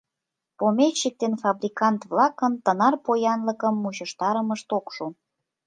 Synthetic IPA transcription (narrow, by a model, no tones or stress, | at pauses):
pomet͡ɕːik̚t̪enfɑbrʲikɑnt̪βlɑkənt̪ənɑrpojɑnləkəmːuɕəʃt̪ɑɾəməʃt̪okʃu